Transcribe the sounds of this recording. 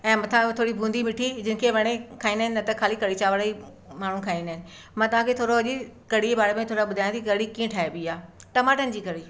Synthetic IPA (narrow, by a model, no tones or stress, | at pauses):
ɛ̃ːmɐ̃t̪ʰãt̪ʰoːɽibʱũːnd̪imɪʈʰid͡ʑɪnɪ̆kʰeʋɐɽ̃ekʰaːĩnd̪aɦɪ̃nɪɐt̪ɐkʰaːlikɐɽit͡ɕaːʋəɽai | maːɳ̤ũkʰaːĩnd̪aɦɪnɪ̆ | mãːt̪ɐʋ̤ãkʰet̪ʰoːɾoɦʊʄekɐɽ̤iebaːɽemẽt̪ʰoːɾaɓʊd̪ʱaːj̃t̪iikɐɽikĩːẽʈʰaːɦebiːaːʈɐmaːʈənɪ̆d͡ʑiːkɐɽiː